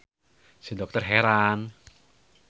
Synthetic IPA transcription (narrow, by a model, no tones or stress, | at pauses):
sedɔk̚t̪ɔrɦɛɾan